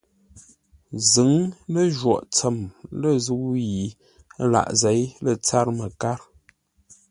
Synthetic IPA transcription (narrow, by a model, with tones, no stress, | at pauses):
zə˨˦ŋlə˦ʒwɔ̰˨ʔt͡sə˨mlə˦˨zu˦ji˨˦ | la̰˨ʔze˨˦jlə˨t͡sa˦ɾmə˨ka˦ɾ